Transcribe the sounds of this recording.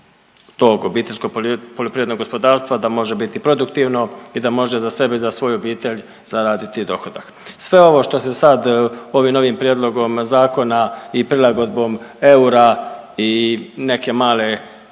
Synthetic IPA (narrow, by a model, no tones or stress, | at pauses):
t̪o̞ɡobiːt̪e̞lʲsko̞ɡpolʲjopɾiʋed̪no̞ɡo̞spo̞d̪aːɾst̪ʋad̪amo̞ʒe̞bit̪ipɾo̞d̪ukt̪iːʋno̞id̪amo̞ʒe̞zase̞beizasʋo̞ːjuo̞biːt̪e̞ʎ | z̥aɾaːd̪it̪id̪o̞xod̪ak | sʋe̞o̞ʋo̞ʃt̪o̞sesad̪o̞ʋiːmno̞ʋimpɾjed̪lˠo̞ɡo̞mzaːko̞naipɾilˠaɡo̞d̪bo̞me̞uɾaine̞ke̞maːle̞